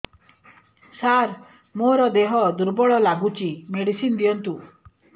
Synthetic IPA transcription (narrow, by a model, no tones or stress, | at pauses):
saɾ | moɾɔd̪eɦɔd̪uɾbɔɭɔlaɡut͡ʃimeɽisind̪ijɔnt̪u